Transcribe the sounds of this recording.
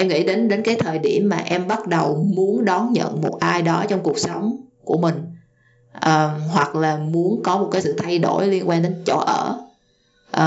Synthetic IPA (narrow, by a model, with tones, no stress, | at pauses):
ʔɛ˧mŋḭ˧˥ɗe˨˦nɗe˨˦nkaː˨˦jt̪ʰəː˨˩jɗi˧˩əmːaː˨˩ʔɛ˧mɓa˦˥t̚ɗə˨˩wmu˨˦ənɗɔ˨˦nɲə̰˧˨nmo˨˩t̚ʔaː˧jɗɔ˨˦t͡ɕɔ˧wŋ͡mku˨˩ək̚sə˨˦wŋ͡mku˧˩əmï˨˩ŋ̟ | ʔəː˨˩hwa˨˩k̚laː˨˩mu˨˦ənkɔ˨˦mo˨˩t̚kaː˨˦sɨ̰˧˨t̪ʰa˧jɗo˧˩jli˧ənkwaː˧nɗe˨˦nt͡ɕo̰˧˩ʔəː˧˩ | ʔː